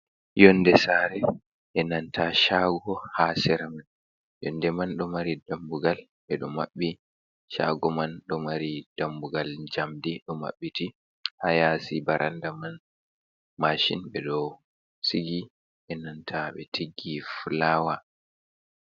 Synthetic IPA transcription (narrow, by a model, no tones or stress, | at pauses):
jɔnːdɛsaɾɛ | ʔɛnantʰaʃaːɡɔhaːsɛɾaman | jɔ̰ndɛmanɗɔmaɾidambuɡalɓɛɗɔmaɓːi | ʃa̰ɡɔmanɗɔmaɾid̥ambuɡald͡ʒamdiɗɔma̰ɓːiti | hajasibaɾʔandaman | maʃḭnɓɛɗɔ | siɡi | ʔɛnantʰaɓɛ̰tʰiɡːifulawa